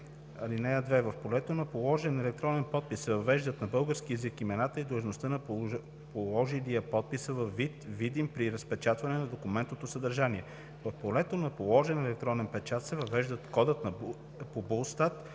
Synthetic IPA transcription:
ɐlinɛjəd̪vɛvɐfpolɛt̪onɐpolˠɔʒɛnɛlɛk̚t̪ɾɔnɛnpɔt̪̚pissɛvɐvɛʒd̪ət̪nɐbɤlˠɡəɾsk̟iɛzikimɛnat̪əid̪ˠʒnost̪ənɐp | polˠɔʒiliəpɔt̪̚pisəvɐfːit̪vid̪impɾiɾəspɛt͡ʃat̪vɐnɛnɐd̪okumɛnt̪not̪osəd̪ɐɾʒaniɛ | vɐfpolɛt̪onɐpolˠɔʒɛnɛlɛk̚t̪ɾɔnɛnpɛt͡ʃat̪sɛvɐvɛʒd̪ət̪kɔd̪ət̪nɐ | pobolˠst̪at̪

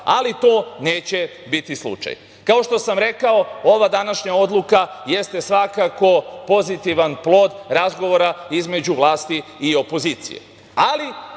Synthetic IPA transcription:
alit̪o̞ːne̞ːt͡ɕe̞bit̪islṵt͡ʃa̰j | kao̞ʃt̪o̞samɾe̞kao̞o̞ʋad̪anaʃɲao̞d̪lˠukaje̞st̪e̞sʋakako̞po̞zit̪iʋanplˠo̞ːd̪ɾazɡoʋo̞ɾaizme̞d͡ʑuʋlˠaːst̪iːo̞po̞ziːt̪sḭjḛ | ali

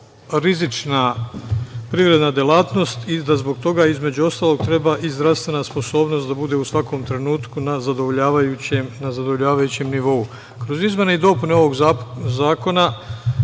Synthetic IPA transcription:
ɾizit͡ʃna | pɾiʋɾe̞d̪nad̪je̞laːt̪no̞st̪id̪azbo̞ɡ̚t̪o̞ɡaizme̞d͡ʑuo̞st̪aːlˠo̞ɡ̚t̪ɾe̞baʔizd̪ɾafst̪ʋe̞naspo̞so̞ːbno̞st̪d̪abud̪e̞usʋako̞mt̪ɾe̞nuːt̪kunazad̪ooʎaːʋajuemnazad̪oʋo̞ʎaːʋajut͡ɕemniʋo̞u | kɾo̞zizme̞neid̪o̞puneo̞ʋo̞ɡzaːko̞na

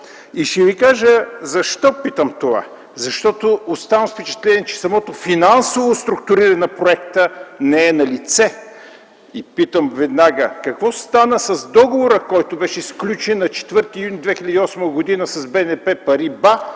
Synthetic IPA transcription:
iʃtɛvikaʒəzɐʃt̪ɔpit̪əmt̪ova̰ | zɐʃt̪ɔt̪oːst̪avəmfpɛt͡ʃɛ̥t̪lɛniɛt͡ʃɛ̥sɐmɔt̪ofinansovost̪ɾʊk̚t̪ʊɾiɾəɛnɐpɾoɛkt̪ənɛɛnɐlit̪sɛ | ipit̪əmvɛd̪naɡəkɐkvɔst̪anəsɐzd̪ɔɡovoɾəkɔjt̪obɛʃɛsklʲut͡ʃɛnːɐt͡ʃɛ̥t̪vɤɾt̪iːjunʲid̪vɛxilʲəd̪iɔsməɡʊd̪inəsɐzbɛnɛpɛpɐɾiba

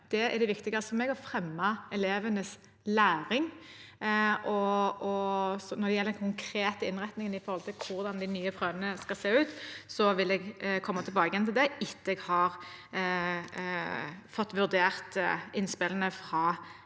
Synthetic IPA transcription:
d̪̥ɛæɾɖɛʋɪkt̪ɪɡɑfɔmɛːɡɔfɾɛmːɑɛleːʋənəs | læːʁɪŋ | ʔɔɔsɔnɔd̪ɛjɛlːəd̪ɛnkʰʊŋkʰɾeːt̪əɪnʁɛt̪nɪŋənɪfɔɾhɔlt̪ɪlkʰʊʁd̪ɑnd̪ɪnyːəpʰʁøːʋənəskɑlseːʉːt̪sɔʋɪlɛɡkʰɔmːɑt̪ʰɪlbɑːɡəjɛnt̪ɪld̪ɛɪt̪ːəɛɡhɑːʁ | fɔt̪ːʋʉʁd̪eːʁt̪ɪnspɪlənəfɾɑ

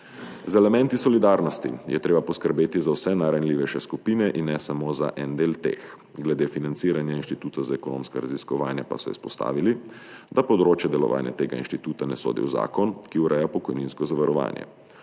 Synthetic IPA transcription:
zɛlɛmɛnt̪isɔlid̪aːɾnɔst̪ḭjɛ̰t̪ɾeːbapɔskəɾbeːt̪izawsɛnaɾanliːʋɛʃɛskupiːnɛʔinːɛsamoːza̰ʔɛnd̪eːlt̪ḛːx | ɡlɛd̪eːfinant̪siːɾanjainʃt̪it̪uːt̪azaɛkɔno̰ːmskaɾaziskɔʋaːnjapasɔḭspɔst̪a̰ːʋili | d̪apɔwd̪ɾoːt͡ʃjɛd̪ɛlɔ̰ʋa̰ːnja̰t̪eːɡainʃt̪it̪uːt̪anɛso̰ːd̪ḭwza̰ːkɔnkiuɾʔɛjapɔkɔjninskɔzaʋaɾɔʋa̰ːnjɛ̰

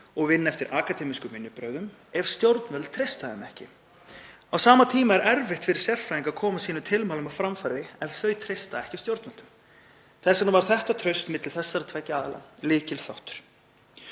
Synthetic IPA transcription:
ɔɣvɪnːaɛft̪ɪɾʔaːkat̪ɛːmiskʏmɪnːʏpɾœɥðʏm | ɛv̥st̪jowɾt̪nœlt̪t̪ʰɾejst̪aðɛmɛhcɪ | awsaːmat̪ʰiːmaɛɾɛɾvɪht̪fɪɾɪ̥ɾ̥sjɛr̥fɾajiŋkakʰɔːmasiːnʏt̪ʰɪlmaːlʏmawfɾamfaɾðɪɛvθœɥt̪ʰɾejst̪aɛhcḁst̪jowɾt̪nmœlt̪ʏ̥m | θɛsːanavaɾ̥θɛht̪at̪ʰɾœɥst̪mɪt̪lɪlθɛsːaɾat̪ʰvɛcːaaːðala̰lɪːcɪlfawht̪ʏ̥ɾ̥

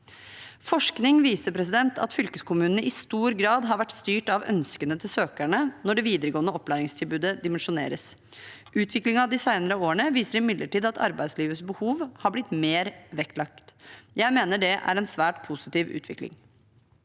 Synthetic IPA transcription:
fɔʂknɪŋʋiːsəpʰɾɛsɪd̪ɛnt̪ʰɑ̰t̪fʏlkəskʊmʉːnənəʔɪst̪uːɾɡɾɑːd̪ɦɑɾʋæʈːst̪yːʈɑʋœ̰nskənət̪ʰɪlsøːkæɳənɔɖɛʋiːd̪əɾəɡoːnəɔpːlæːɾɪŋst̪ʰɪlbʉːd̪əd̪ɪmɛnʂʊnḛːɾəs | ʔʉːt̪ʰʋɪklɪŋɑʋd̪ɪsɑɪnəɾəoːəɳəʋiːsəɾɪmɪd̪ləʈiːd̪ɑt̪ʰɑ̰ɾbæɪd̪sliːʋəsbəhuːʋhɑɾblɪt̪meːɾʋɛktlɑkt̪jæɪmeːnəɖɛʔæ̰ɾɛnsʋæːʈpʰʊsɪ̥t̪iːʋʉ̰ːt̪ʰʋɪ̰klɪ̰ŋ

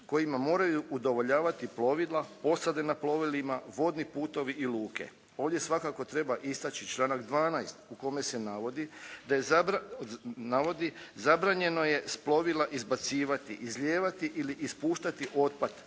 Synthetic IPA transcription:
ko̞jimamo̞ːɾajuʔud̪o̞ʋo̞ʎaːʋat̪iplo̞ʋilˠapo̞sad̪e̞naplo̞ʋilimaʋo̞d̪nipuːt̪o̞ʋiʔiluːkḛ | o̞ːʋd̪jesʋakako̞t̪ɾe̞baʔist̪at͡ʃit͡ʃlˠaːnakd̪ʋaːnajst̪uko̞me̞se̞naʋo̞d̪id̪ajeza | naʋo̞d̪izabɾaːɲe̞no̞je̞splo̞ʋilaʔizbat̪siːʋat̪iʔizlʎʲe̞ːʋat̪iʔiliʔːspuːʃt̪at̪iʔo̞t̪̚pad̪

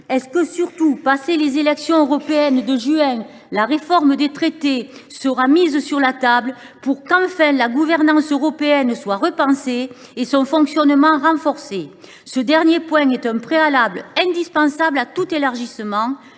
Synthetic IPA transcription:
ɛskəsyʁt̪upaselezelɛksjɔ̃øʁɔpeɛnd̪əʒyɛ̃ | laʁefɔʁməd̪et̪χet̪esəʁamizəsyʁlat̪ablə | puʁkɑ̃fɛ̃laɡuvɛʁnɑ̃søʁɔpeɛnswaʁəpɑ̃se | esɔ̃fɔ̃ŋksjɔnmɑ̃ʁɑ̃fɔʁse | səd̪ɛʁnjepwɛ̃ɛt̪ɛ̃pχealablɛ̃d̪ispɑ̃sablat̪ut̪elaʁʒisəmɑ̃

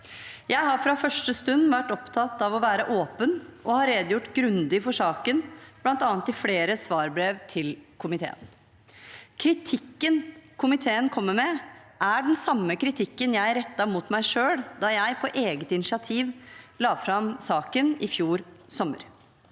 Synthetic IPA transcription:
jæɪɦɑɾfɾɑfœʂʈəst̪ʉnʋæʈɔpt̪ʰɑt̪ːɑʋɔʋæːɾəʔoːpənʔɔhɑɾeːd̪əjʊʈːɡɾʉnd̪ɪfɔʂɑːkənb̥lɑnt̪ɑːnt̪ːɪfleːɾəsʋɑːɾbɾeːʋt̪ʰɪlkʰʊmɪt̪ʰḛːə̰n | kʰɾɪt̪ʰɪkːənkʰʊmɪt̪ʰeːənkʰɔmːəmɛʔæɖɛnsɑmːəkɾɪt̪ʰɪkːənjæɪɾɛt̪ːɑmuːt̪mæɪʂøːɽd̪ɑːjæɪpʰɔʔeːɡət̪ɪnɪʂɪɑt̪ʰiːʋlɑːfɾɑmsɑːkənɪfjuːɾsɔmːə̰ɾ

